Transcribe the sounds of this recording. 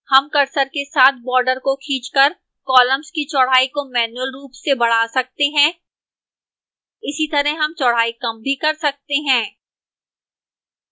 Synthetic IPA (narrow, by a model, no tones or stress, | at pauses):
hɐmkɐɾsəɾkesaːt̪̚ʰbɔːɾɖəɾkokʰiːt͡ʃkɐɾ | kɔːlə̃mz̥kit͡ʃɔɽ̤aːikomɛːnuəlɾuːpsebɐɽ̤aːsɐk̚t̪eɦɛ̃ː | ɪsit̪ɐɾəɦɦɐmt͡ʃɔɽ̤aːikɐ̃mbʱikɐɾsɐk̚t̪eɦɛ̃ː